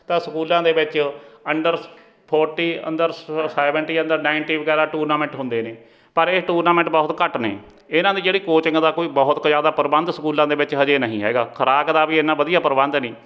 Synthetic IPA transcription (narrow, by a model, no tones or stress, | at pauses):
t̪ãːsəkuːlãːd̪eːʋɪt͡ʃəɳɖəɾ | pʰɔːɾʈiːə̰nd̪əɾsɛːʋəɳʈiːə̃nd̪əɾnaːɪɳʈiːʋəɡɛːɾaːʈuːɾnaːmɛ̃ɳʈɦʊ̃nd̪eːneː | pəɾeːʈuːɾnaːmɛ̃ɳʈbɔːt̪kəʈnḛː | ɪnãːd̪iːd͡ʒeːɽiːkoːt͡ʃɪ̃ŋɡd̪aːkoːiːbɔɦʊt̪kd͡ʒaːd̪aːpəɾbənd̪səkuːlãːd̪eːʋɪt͡ʃɦəd͡ʒeːnəɦĩːɦɛ̰ːɡa̰ːkʰəɾaːkd̪aːbiːɪnãːbəd̪ijaːpəɾbənd̪nĩː